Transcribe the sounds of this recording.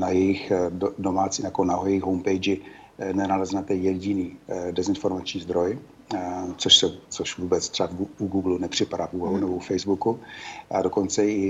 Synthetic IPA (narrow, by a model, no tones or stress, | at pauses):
najɛjɪxdodomaːt͡sinaakonaɦojɛjɪxɦowmpɛjd͡ʒɪ | nɛnalɛznat̪ɛjɛɟɪniːdɛzɪnfo̞ɾmat͡ʃɲiːzd̪ɾo̞j | t͡soʃsɛt͡soʃvuːbɛt͡st̪r̥ɛavuuɡuːɡlunɛpr̝̥ɪpaɾaːvuːvaɦunɛboufɛjzbukuʔado̞ko̞nt͡sɛɪ